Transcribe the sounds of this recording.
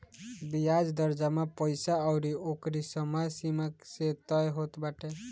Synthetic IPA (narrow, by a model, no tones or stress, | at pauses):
bijad͡ʒd̪əɾd͡ʒamapəjsaɔwɾiokɾisəmajsimakset̪ɔjɦot̪baʈʰe